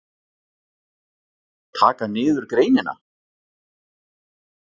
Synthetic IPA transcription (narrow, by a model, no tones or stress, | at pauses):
t̪ʰaːkanɪːðʏɾkɾeːjnɪna̰